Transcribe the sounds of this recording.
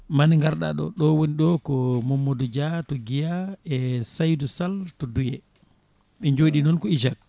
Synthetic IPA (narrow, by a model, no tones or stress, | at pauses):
maniŋɡaɾɗa̰ɗɔ̰ɗɔwoniɗɔkɔmɔmːɔdɔd͡ʒatɔɡijaɛsajdusaltɔdujɛ | ɓɛɲd͡ʒoɗinɔnkɔiʃ̬ak̚